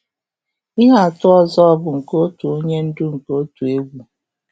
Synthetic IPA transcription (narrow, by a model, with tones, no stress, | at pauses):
i˦ŋa˨a˨tʊ˦ɔ˦zɔ˦ɔ˦bʊ˨ŋ̩˨ko˦tu˨o˦ɲe˦n̩˦dʊ˦ŋ̩˨ko˦tu˨e˦ɡʷu˨